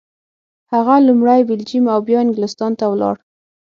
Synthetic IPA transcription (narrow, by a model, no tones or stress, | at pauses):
haɣalumɽajbɪld͡ʒimawbjɑɪŋɡɪlɪst̪ɑnt̪awlɑ̰ɽ